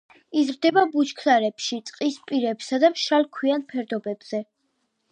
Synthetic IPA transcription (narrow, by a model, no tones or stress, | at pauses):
izɾd̪ɛbabut͡ʃkʰlaɾɛpʃit̪sʼqʼispʼiɾɛpsad̪amʃalˠkʰwianpʰɛɾd̪ɔbɛbz̥ɛ